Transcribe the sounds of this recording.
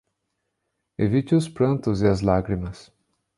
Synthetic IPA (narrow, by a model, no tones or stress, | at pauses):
evit͡ʃɪʊspɾɐ̃nt̪ʊzɪɐzlaɡɾimɐs